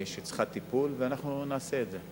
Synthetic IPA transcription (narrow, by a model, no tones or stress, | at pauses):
jeʃjet͡sχat̪ipulveanaχnunaːse̞ːtze